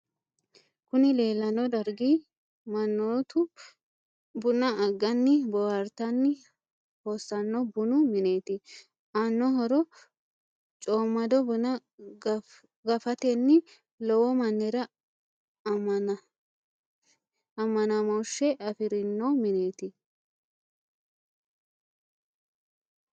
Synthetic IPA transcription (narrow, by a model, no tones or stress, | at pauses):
kʊnɪle̞ːlːɐnːɔd̪ɐɾɡi | mɐnːoːt̪ʊ | bʊnɐɐɡːɐnːɪbɔwɐɾt̪ɐnːɪ | hoːsːɐnːɔbʊnʊmɪneːt̪ɪ | ʔanːɔɦɔɾɔ | t͡ʃʼoːmːɐd̪ɔbʊnɐ | ɡɐfɐt̪ɛnːɪ | lɔwɔmɐnːɛɾɐ | ɐmːɐnamɔwʃːɛʔɐfɪɾɪnːɔmɪneːt̪ɪ